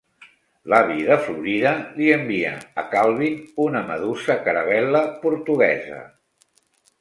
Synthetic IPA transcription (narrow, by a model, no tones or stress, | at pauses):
laβiðəfluɾiðəliəmbiə̰ːkalˠβinunəməðusəkəɾəβɛləpuɾt̪uɣɛzə̰